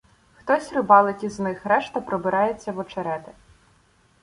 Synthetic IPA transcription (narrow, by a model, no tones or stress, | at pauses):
xt̪ɔsʲrʊbɑlˠɪtʲiznɪxɾɛʃt̪ɐpɾɔbɪɾʔɑjet͡sʲːɐʋɔt͡ʃeɾɛt̪ɪ